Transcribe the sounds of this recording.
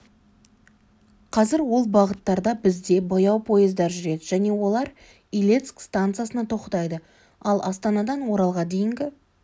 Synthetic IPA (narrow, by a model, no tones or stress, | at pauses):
qʰɑzɪɾwo̞lˠbɑʁət̪ːɑɾd̪ɑbɪzd̪e̞bo̞jɑwpʰo̞jəzd̪ɑɾʒʏɾe̞d̪ɪʒ̥æne̞wo̞lˠɑɾ | ilʲet̪skst̪ant̪sɨiasənɑt̪ʰo̞qət̪ɑjd̪ə | ɑlˠɑst̪ɑnɑd̪ɑnwo̞ɾɑlˠʁɑd̪e̞jɪŋɡʲɪ